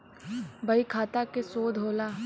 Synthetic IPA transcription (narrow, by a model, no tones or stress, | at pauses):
bɐikʰaːt̪akesoːd̪ʱɦoːlaː